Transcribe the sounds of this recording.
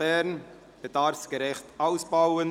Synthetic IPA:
ɛrn | b̥ədɑːrfsɡ̥əɾɛχtawsbɑwən

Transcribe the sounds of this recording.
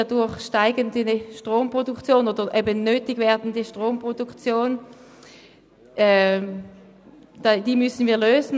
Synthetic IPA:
ɐdʊɐχʃtaɪɡəndiəʃtʁoːmpʁodukt͡sjoːnoːdəʔebənøːtɪɡvɛːɐdn̩diʃtʁoːmpʁodukt͡sjoːn | ʔɛ | d̥adiːmʏsn̩viːɐløːzn̩

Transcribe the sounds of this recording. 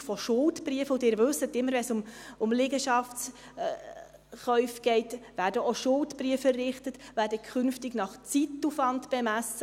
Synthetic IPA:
fɔʃʊltbriəfʊdɪːɾvɵsətɪmːəɾʋɛnsʊmʊmlɪɡəʃɑft͡s | χœʏfɡ̥ɛɪtvæːɾdəoʃʊltb̥riəfɛrɪχtətʋæːɾdəkʰχʏnftɪɡnɑχt͡sitːufɑndb̥ɛmæsə

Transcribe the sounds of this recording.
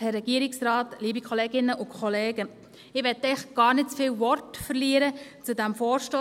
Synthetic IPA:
hɛɾrːɛɡ̥iəɾɪksrɑːtliːbikʰχɔleːɡɪnːəʔʊkʰχɔleːɡə | ɪʋɛt̪ːɛɪχɡ̥ɑːɾnɪt̚t͡sfiːwʋɔɾtfəɾliːəɾət͡sudæmfoːɾʃtoː

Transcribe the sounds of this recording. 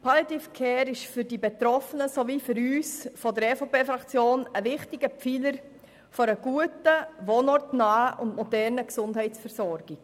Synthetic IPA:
pʰɑletifkʰɛːɾɪʃfʏɾdibet̪ɾɔfənəsoʋifʏɾyːsfɔdəɾɛfopeːfɾɑkt͡sjoːnəʋɪχtiɡ̥əpp͡filəɾ | fɔɾəɡ̥uətəʋonɔrtnaːəʔʊndmɔdɛɾnəksʊndhɛɪtt͡sfɛɾsɔɾɡ̥iɡ

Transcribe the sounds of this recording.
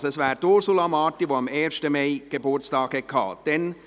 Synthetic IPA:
sɛsvʋæːɾdoɾsulɑmɑːtiʋoɑmeːɾʃtəmeɪɡ̥ebʊɾt͡stɑːkhɛt̚kʰɑ̰ːd̥ɛn

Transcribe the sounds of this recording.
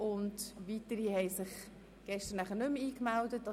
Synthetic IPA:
ʊntʋitəɾihɛɪsɪχ | ɡ̥ɛʃtəɾnæχəɾnʏmiːkmældət̚ːɑ

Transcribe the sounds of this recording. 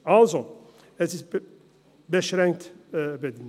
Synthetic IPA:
alzo | ɛsist̪ | bɛʃɾɛŋk̚t̪bɛd̪in

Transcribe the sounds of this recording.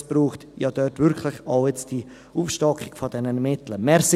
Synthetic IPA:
b̥ruːχtjɑːd̥œrtvʏɾkʰlɪçaʊjɛt͡std̥i | uːfʃtɑkχɪɡ̥fɔd̥ɛnənmɪtləmɛːɾs

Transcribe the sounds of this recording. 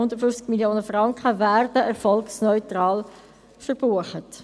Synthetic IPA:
ʊnd̪əɾtfʏft͡skmiljoːnəfʁɑŋkχəvæːɾd̥əʔɛɾfɔlksnɔʏtɾɑːl | fəɾb̥uːəχət

